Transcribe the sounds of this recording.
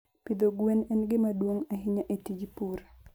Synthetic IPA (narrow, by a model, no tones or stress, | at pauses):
pid̪oɡwenɛnɡɪmadwoŋaɦɪɲaʔetid͡ʒpuɾa